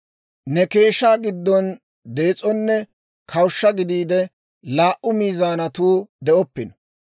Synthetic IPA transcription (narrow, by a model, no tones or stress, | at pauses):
nɛke̞ːʃaːɡɪd̪ːɔn | d̪e̞ːt͡sʼɔnːɛ | kʰɐwʃːɐɡɪd̪iːd̪ɛ | laːʔʊmiːzaːnɐt̪uːd̪ɛʔɔpːɪnɔ̥